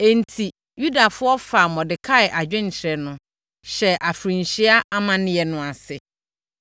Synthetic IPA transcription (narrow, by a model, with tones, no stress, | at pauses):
e˨n˨tʰi˨ | ju˦da˨fʊ˦ɔ˦fa˨mɔ̃˨dɪ˨kʰa˦ɪ˨ʔa˨d͡ʑᶣɪ̃˦ɲ̩˨t͡ɕʰɪ˨ɾɛ˨nʊ̃˨ | ɕɛ˨ʔa˨fɾĩ˨n˨ɕi˦a˦ʔa˦mã˦nɪ̃˦jɛ˨nʊ̃˨a˨sɪ˨